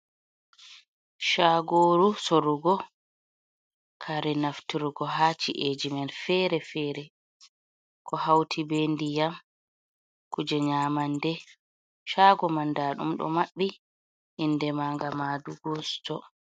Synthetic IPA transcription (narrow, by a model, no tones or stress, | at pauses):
ʃaːɡoːɾusoɾuɡɔ | kʰaɾɛnaftiɾuɡɔɦat͡ʃiʔed͡ʒimɛnfɛːɾɛfɛːɾɛ | kʰɔhawtʰibendijam | kud͡ʒɛɲaːmandɛ | ʃaɡɔmandaːɗṵmɗɔ̰maɓːi | hindɛmaːŋɡamaduɡɔstɔ